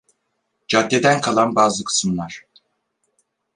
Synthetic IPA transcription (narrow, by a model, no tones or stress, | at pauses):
d͡ʒad̪ːe̞d̪ænkʰalˠanbaːzɯkʰɯ̥sɯmlˠaɾ̥